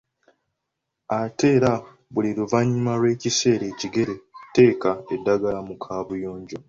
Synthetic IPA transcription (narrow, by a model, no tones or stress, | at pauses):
ate̞ːɾa | βuliɾuvaɲːumalwe̞ːcise̞ːɾe̞ːciɡe̞ɾe̞te̞ːkae̞dːaɡalamukʰaːβujoːɲɟo̞